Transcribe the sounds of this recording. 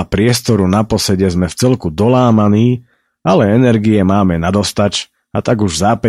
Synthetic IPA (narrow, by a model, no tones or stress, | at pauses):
apɾɪɛst̪ɔɾunapɔsɛɟɛzmɛft͡sɛlkud̪ɔlaːmaniː | alɛɛnɛɾɡiɛmaːmɛnad̪ɔst̪at͡ʃ | at̪aɡuʒzaːpɛ